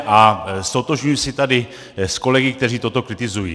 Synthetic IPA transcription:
ʔast̪ot̪oʒɲujisɪt̪adɪ | sko̞lɛɡɪk̚t̪ɛr̝iːt̪ot̪o̞kɾɪt̪ɪzujḭː

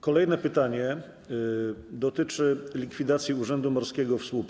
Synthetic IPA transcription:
kɔlɛjnɛpɘt̪aɲɛ | d̪ɔt̪ɘt͡ʂɘlʲikfʲid̪at̪sʲjiuʐɛnd̪umɔɾskʲɛɡɔfspup

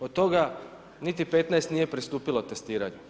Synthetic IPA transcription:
od̪̚t̪o̞ɡa | nit̪ipe̞t̪naest̪nije̞pɾist̪uːpilot̪e̞st̪iːɾaɲu

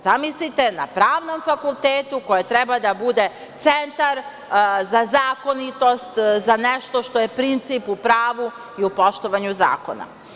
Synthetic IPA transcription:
zamislit̪e̞na̰pɾaːʋno̞mfakulˠt̪eːt̪uko̞jet̪ɾɛbad̪abud̪e̞ | t̪sent̪aɾ | zazaːko̞nit̪o̞st̪zaneʃt̪o̞ʃt̪o̞je̞pɾint̪sipupɾaːʋu | iupo̞ʃt̪o̞ʋaɲuza̰ːko̞̰na̰

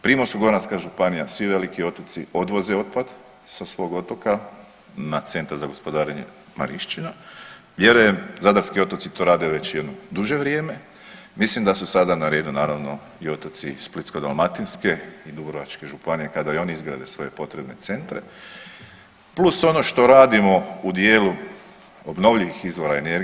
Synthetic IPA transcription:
pɾimosuɡo̞ɾnanskaʒupanijasʋiʋe̞likio̞t̪ot̪sio̞d̪ʋo̞zeo̞t̪̚pad̪ | sasʋo̞ːɡo̞t̪o̞ka | nat̪se̞nt̪aɾzaɡo̞spo̞d̪aːɾeɲḛ | ma̰ɾiʃt͡ʃina | ʋjeɾemzad̪aɾskio̞t̪ot̪sit̪o̞ɾaːd̪eʋe̞t͡ɕje̞d̪nod̪uʒe̞ʋɾjeːme̞ | mislimd̪asusad̪anaɾe̞ːd̪unaːɾaʋno̞ | io̞t̪at̪sisplit̪sko̞d̪alˠmat̪inske̞id̪ubɾoʋat͡ʃke̞ʒupanije̞kad̪ajo̞nizɡɾa̰d̪e̞sʋo̞je̞po̞t̪ɾebne̞̰t̪se̞nt̪ɾe | pluso̞no̞ʃt̪o̞ɾaːd̪imo̞ud̪je̞ːlu | obno̞ʋʎiʋixizʋo̞ɾaene̞ɾ

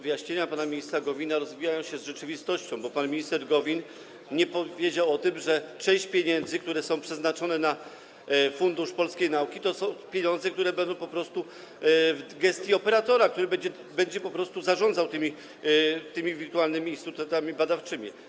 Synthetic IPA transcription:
vɨjaɕɲeɲapanamʲiɲist̪ɾaɡɔvʲinaɾɔzvʲijajɔ̃w̃ɕɛzʐɛt͡ʂɘvʲist̪ɔɕt͡ɕɔ̃w̃bɔpanmʲiɲist̪ɛɾɡɔvʲin | ɲɛpɔvʲjed͡ʑawɔt̪ɘmʐɛt͡ʂɛ̃j̃ɕt͡ɕpʲjeɲɛnd̪zɘkt̪uɾɛsɔ̃w̃pʂɛznat͡ʂɔnɛna | fund̪uʂpɔlskʲejnaukʲit̪ɔsɔ̃w̃pʲjeɲɔnd̪zɛkt̪uɾɛbɛnd̪ɔ̃w̃pɔpɾɔst̪u | vɡɛst̪ʲjiɔpɛɾat̪ɔɾakt̪uɾɘbɛɲd͡ʑɛ | bɛɲd͡ʑɛpɔpɾɔst̪uzaʐɔ̃nd̪zawt̪ɘmʲi | t̪ɘmʲivʲiɾt̪uwalnɘmʲiːnst̪ut̪ɛt̪amʲibad̪aft͡ʂɘmʲḭ

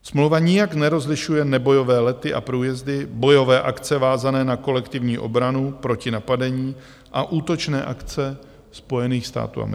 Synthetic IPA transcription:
smlowvaɲɪjaknɛɾo̞zlɪʃujɛnɛbo̞jo̞vɛːlɛt̪ɪʔa̰pɾuːjɛzdɪbo̞jo̞vɛːʔakt͡sɛvaːzanɛːnako̞lɛkt̪ɪvɲiːʔo̞̰bɾanupɾo̞cɪnapadɛɲiː | ʔaʔuːt̪o̞t͡ʃnɛːʔakt͡sɛ | spo̞jɛniːxst̪a̰ːt̪ṵːa̰m̰

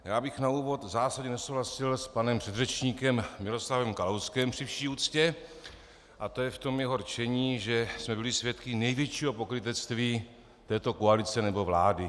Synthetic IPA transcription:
jaːbɪxnauːvo̞t̪zaːsadɲɛnɛsowɦlasɪlspanɛmpr̥ɛd̪rɛt͡ʃɲiːkɛmmɪlo̞slavɛmkalowskɛmpr̥ɪfʃiːuːt͡scɛ | ʔat̪ojɛft̪o̞mjɛɦo̞ɾt͡ʃɛɲiːʒɛsmɛbɪlɪsvjɛt̪kɪnɛjvjɛt͡ʃiːɦo̞po̞kɾɪt̪ɛt͡st̪viː | t̪ɛːt̪o̞koalɪt͡sɛnɛbo̞vlaːdɪ

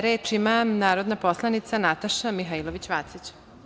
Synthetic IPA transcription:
ɾeːt͡ʃimamnaːɾo̞d̪naposlˠanit̪sanat̪aʃamiɦailoʋit͡ɕʋat̪sit͡ɕ

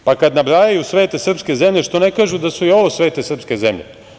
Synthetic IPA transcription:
pakad̪nabɾajajusʋe̞ːt̪e̞sr̩pske̞ze̞mʎe̞ʃt̪o̞ne̞kaːʒud̪asuio̞ʋosʋe̞ːt̪esr̩pske̞ze̞mʎḛ

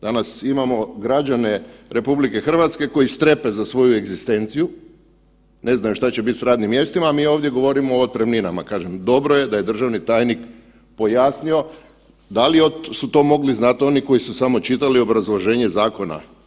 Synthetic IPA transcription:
d̪anasimamo̞ɡɾad͡ʒane̞ɾe̞publike̞xr̩ʋat̪ske̞ko̞jist̪ɾe̞pe̞zasʋo̞jueɡzist̪e̞nt̪siju | ne̞znajomʃt̪at͡ɕe̞bit̪sɾaːd̪nimje̞st̪imaːmiːo̞ːʋd̪je̞ɡo̞ʋo̞ɾimoːt̪̚pɾemninama̰kaːʒemd̪o̞bɾoje̞d̪aje̞d̪r̩ʒaʋnit̪aːjnik | po̞jaːsnio̞ | d̪aliosut̪o̞ːmo̞ɡliznat̪o̞niko̞jisusamo̞t͡ʃit̪alio̞bɾazlˠoʒe̞ːɲe̞zaːko̞na̰

